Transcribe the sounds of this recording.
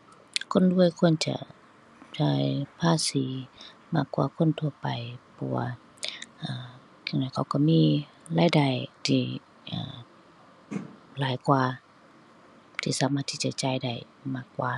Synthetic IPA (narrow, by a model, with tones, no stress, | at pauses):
kʰo˧˥˨ndu˧˥˨əjkʰu˧˥˨nt͡ɕa̰˧˦ | t͡ɕaː˧˩jpʰaː˧˥˨siː˨˦maː˧˩kːwa̰ː˧˩kʰo˧˥˨nt̪ʰu˧˨əpa˨˩jpʰɔ̰˧waː˧˩ | ʔaː˧˨˩ | kʰa˧˩ŋndɔː˧˩˨kʰa˧˩wkɔ˧˩miː˧˥˨ | laː˧˨jda˧˩jt̪ʰiː˧˩ | ʔa̰ː˧˨˩ | laː˨˦jkwaː˧ | t̪ʰiː˧˨saː˨˦maː˧˥t̪ʰi˧˩t͡ɕa̰˧˨t͡ɕaː˧˩jda˧˩j | maː˧˩kːwaː˧˩